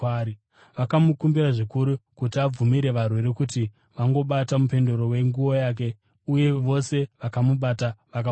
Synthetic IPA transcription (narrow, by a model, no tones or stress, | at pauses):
i | ʋakamukumbiɾaʐikuɾukut̬iab͡vumiɾe̞ʋarwe̞ɾe̞kuti | ʋaŋɡo̞ɓatamupe̞ndoɾo̞we̞ŋɡuo̞jaːk̬e̞ | uje̞ʋo̞se̞ʋakamuɓataʋaka